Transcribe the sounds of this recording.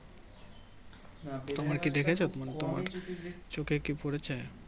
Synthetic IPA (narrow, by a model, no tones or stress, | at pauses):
t̪omaɾkid̪ekʰet͡ɕʰot̪omanet̪oma̰ɾt͡ɕokekipoɽet͡ɕʰe